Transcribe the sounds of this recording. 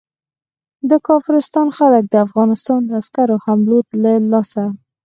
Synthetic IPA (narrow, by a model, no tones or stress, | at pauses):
d̪əkɑfɪɾɪst̪ɑnxalək̚d̪əafɣɑnɪst̪ɑnd̪askaɾohamlot̪ləlɑsa